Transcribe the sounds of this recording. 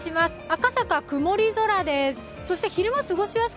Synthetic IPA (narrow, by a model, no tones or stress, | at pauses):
imasɨ̥akasakakɯ̟mo̞ɾʲizo̞ɾad̪e̞sɨ̥ | so̞ɕi̥t̪eçiɾɯ̟mosɨɡo̞ɕimas